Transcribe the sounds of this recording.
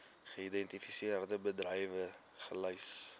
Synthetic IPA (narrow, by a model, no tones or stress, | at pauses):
χəidɛntifisiərdəbədrəjvə | χələjs